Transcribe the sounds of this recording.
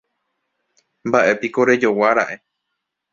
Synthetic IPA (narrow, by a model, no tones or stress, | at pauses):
mbaʔe̞piko̞ɾe̞d͡ʒo̞waɾa̰ʔe̞